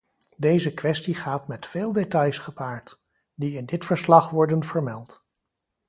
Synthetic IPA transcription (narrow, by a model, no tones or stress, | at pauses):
dejzəkʋɛstiχaːtmɛtfeːlˠdetɑjsχəpaːɹt | diɪndɪtfəɹslɑχʋɔɹdənvəɹmɛlˠt